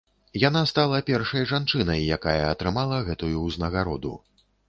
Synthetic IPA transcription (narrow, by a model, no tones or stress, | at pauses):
jan̪ast̪alˠɐpʲɛrʂɐjʐant͡ʂɨnɐjːakajɐːt̪ɾɨmalˠɐɣɛt̪ujuznɐɣaɾɔd̪ṵ